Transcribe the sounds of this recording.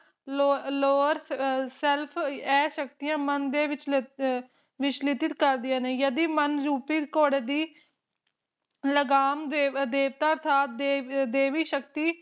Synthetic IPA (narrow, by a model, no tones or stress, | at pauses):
oːloːɾsɛlpʰɛːʃək̚t̪ijãːmənd̪eːʋɪt͡ʃ | ʋɪt͡ʃlɪt̪ɪt̪kəɾd̪ɪjãːneːjəd̪iːmənɾuːpiːkoːɽeːd̪iː | ləɡaːmed̪eːʋt̪aːəɾt̪ʰaːt̪̚d̪ed̪eːʋiːʃək̚t̪iː